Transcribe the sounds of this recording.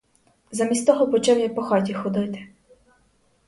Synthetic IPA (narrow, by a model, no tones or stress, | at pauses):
zɐmʲisʲt̪ɔɦɔpɔt͡ʃɛwjapɔxɑtʲixɔd̪ɪt̪ɪ̥